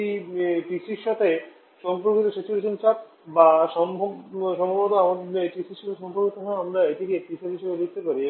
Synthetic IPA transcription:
ipisiɾʃat̪ʰe | ʃɔmpɾɾoɾkit̪oʃet͡ɕuɾeʃont͡ɕaʈ̚ | baʃɔmbʱoʃɔmbod̪oamad̪eʈiʃiɾʃat̪ʰeʃɔmpoɾkot̪ʰɔkʰaamɾaeʈikepiʃaɾɦiʃebelek̚ʰt̪epaɾi

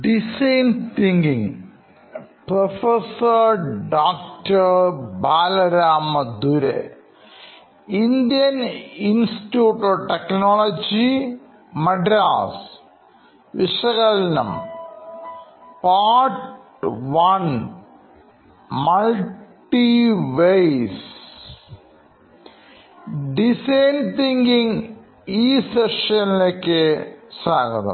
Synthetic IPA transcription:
ɖisɐjnt̪iŋɡiŋ | pɾofesɐɾɖaːk̚ʈɐɾbaːlɐɾaːmɐd̪uɾḛ | ind̪ijɐninsi̥ʈjuːʈːoːʈeknoːlod͡ʑi | mɐɖɾaːs | ʋiʂɐɣɐlɐnɐ̰m | paːɾʈ | ʋɐn | mɐlʈːiʋejs | ɖisɐjnt̪iŋɡiŋ | iːseʂɐnileːkːesaːɡɐðɐ̰m

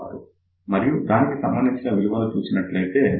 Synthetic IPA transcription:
a̰ːɾu | mɐɾijud̪aːnikisɐmbɐnd̪iɲt͡ʃinɐʋiluʋɐlɐt͡ʃuːt͡ʃinɐʈlɐjt̪e̞ː

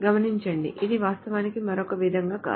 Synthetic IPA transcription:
ɡɐmɐniɲt͡ʃɐɳɖḭʔid̪iʋaːst̪ɐʋaːnikimɐɾokɐʋid̪ʱɐŋɡaːka̰ː

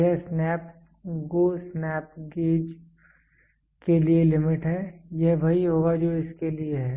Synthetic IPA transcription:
jɛɦsnɛːp | ɡosnɛːp̚ɡeːd͡ʒ | kelielɪmɪʈɦɛjɛɦʋɐɦiɦoːɡad͡ʒoːɪskelieɦɛː

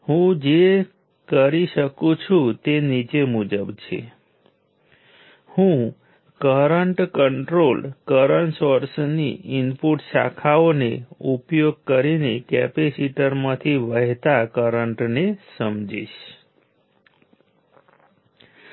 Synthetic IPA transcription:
hũd͡ʒe | kəɾiʃəkũt͡ʃʰũt̪enit͡ʃemud͡ʒəbt͡ʃʰḛ | hũ | kəɾəɳʈkəɳʈɾolkəɾəɳʈsoɾsnḭɪmpuʈsa̰kʰaoneupjoɡ̚kəɾinekɛ̰pesiʈəɾmãt̪ʰiʋəɦt̪akəɾəɳʈnesəmd͡ʒḭʃ

